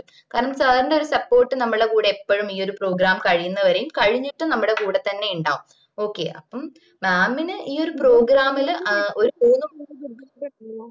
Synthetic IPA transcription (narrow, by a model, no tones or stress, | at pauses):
kaːɾɐɳɐmsɐːɾinɖeo̞ɾusɐpːo̞ːʈːɨnɐmːɭɽekuːɽeːpːɐɻumiːo̞ɾupro̞ːɡɾaːmkɐɻijunːɐʋɐɾejumkɐɻiɲːiʈːɨnɐmːuɽe̞kuːɽet̪ːɐnːe̞juɳɖa̰ːum | o̞ːkːe̞̰ːʔɐ̰pːɐm | maːmːinɨʔiːo̞ɾupro̞ːɡɾaːmilo̞ɾupuːnːumɐ